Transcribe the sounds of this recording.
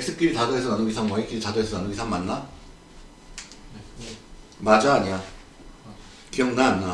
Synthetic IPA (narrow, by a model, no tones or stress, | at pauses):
eks͈ɯp̚k͈iɾitadoɦesʰʌnanɯɡisʰaŋmʌik͈iɾitadoɦesʰʌnanɯɡisʰaŋmanːa | mad͡ʑaːɲia | kijʌŋnaːnːa